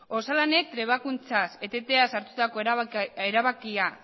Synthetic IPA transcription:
o̞salane̞t̪ɾe̞β̞akunt͡sase̞t̪e̞t̪e̞asaɾt̪ut̪ako̞eɾaβakia

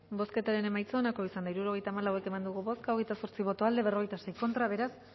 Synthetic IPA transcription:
bo̞ske̞t̪aɾe̞ne̞majt͡soːnako̞isand̪aiɾuɾo̞ɣe̞jt̪aːmalawe̞ke̞mand̪uɣuβo̞skaoɣe̞jt̪aso̞ɾt͡siβ̞o̞t̪o̞ald̪e̞βe̞roe̞jt̪ase̞jko̞nt̪ɾaβe̞ɾas

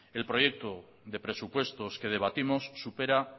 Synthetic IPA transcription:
e̞lpɾo̞je̞k̚t̪o | ðepɾe̞supwe̞st̪o̞ske̞ð̞e̞β̞at̪imo̞sːupe̞ɾa

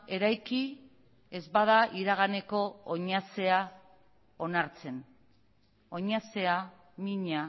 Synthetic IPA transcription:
e̞ɾajki | e̞zbaðaʔiɾaɣ̞ane̞ko̞ːɲase̞a | o̞naɾt͡se̞n | o̞ɲase̞a | miɲa

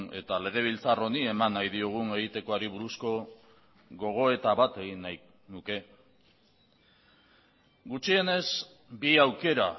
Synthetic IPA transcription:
ne̞̰t̪ale̞ɣ̞e̞β̞ilt͡saro̞nie̞manːajðio̞ɣ̞une̞ɣit̪e̞ko̞aɾiβuɾusko̞ | ɣo̞ɣ̞o̞e̞t̪aβat̪e̞ɣinːaj | nuke̞ | ɡut͡ʃie̞ne̞z | biawke̞ɾa

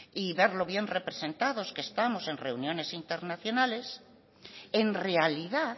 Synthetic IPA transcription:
iβe̞ɾlo̞βje̞nre̞pɾese̞nt̪að̞o̞skeːst̪amo̞se̞nre̞unjõ̞ne̞sint̪e̞ɾnaθjo̞nale̞s | enre̞aliða

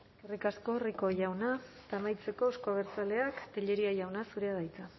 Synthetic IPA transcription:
erikasko̞riko̞ʝawna | t̪amajt͡se̞ko̞eskoaβ̞eɾt͡sale̞akt̪eʎe̞ɾiajawnasuɾe̞að̞ajt͡sa

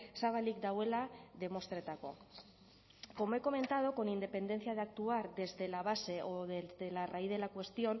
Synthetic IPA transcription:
saβalik̚d̪awe̞laðe̞mo̞st̪ɾet̪ako̞̰ | ko̞moe̞ko̞mẽ̞nt̪að̞oko̞nind̪e̞pe̞nd̪e̞nθjaðeak̚t̪uaɾðe̞zðe̞laβ̞ase̞ʔoðezðe̞larajðe̞lakwe̞st̪io̞n

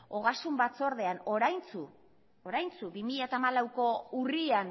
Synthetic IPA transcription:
o̞ɣ̞asumbat͡so̞ɾðe̞ano̞ɾajnt͡su | oɾajnt͡subimiʎat̪aːmalawko̞urian

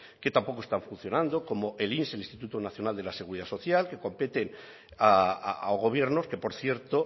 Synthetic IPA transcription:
ke̞t̪ampo̞ko̞st̪aɱfun̟θjo̞nãnd̪o̞ko̞moʔelinselinst̪it̪ut̪onaθjo̞nald̪elase̞ɣ̞uɾiðaso̞θjalke̞ko̞mpet̪e̞n | a̰aɣ̞o̞β̞je̞ɾnoske̞poɾθje̞ɾt̪o

